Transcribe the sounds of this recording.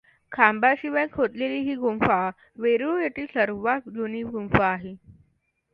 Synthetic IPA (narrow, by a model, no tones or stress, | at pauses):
kʰambaɕiʋajkʰɦot̪leliːɦiːɡumfa | ʋeɾujeʈ̪iːsəɾʋakd͡ʑuniːɡumfaːɦe